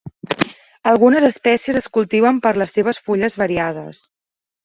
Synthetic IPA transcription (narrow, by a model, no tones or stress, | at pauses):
əlˠɣunəzəspɛsiəzəskulˠt̪iβəmpəɾləsːeβ̞əsfuʎəzβəɾiað̞ə̰s